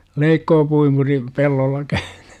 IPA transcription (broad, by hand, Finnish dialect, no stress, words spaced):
leikːoːpuimuri pelːolːɑ kæẙn̥ẙ